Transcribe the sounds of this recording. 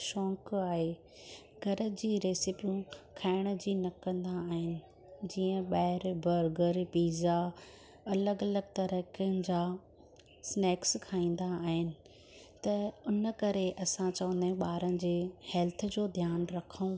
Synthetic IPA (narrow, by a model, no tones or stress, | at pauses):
ʃɔ̃ːkaːɦeː | ɡʱɐɾəd͡ʑiːɾeːsɪpijũkʰaːɪɽ̃ə̆d͡ʑiːnɐkɐ̃nd̪aːɦɪnɪ̆ | d͡ʑiːə̃ɓaːɪɾbɐɾɡəɾpiːza | ɐləɡɐləɡt̪ɐɾəkiənɪ̆d͡ʑaː | sneːkskʰaːĩːn̆d̪aːɦɪnɪ̆ | t̪ɐʊnəkɐɾeʔɐsãt͡ɕɐʋə̃nd̪ẽɓaːɾənɪ̆d͡ʑeːhɛːlt̪ʰə̆d͡ʑoːd̪ʱjaːnɾɐkʰəũ